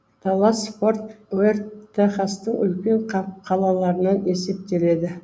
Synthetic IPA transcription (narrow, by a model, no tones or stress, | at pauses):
t̪ʰɑlˠɑspo̞rt̪wert̪ʰːeχast̪əɴʏlkʲe̞ɴqɑqʰɑlˠɑlˠɑɾənɑʔe̞se̞p̚t̪e̞le̞d̪ɪ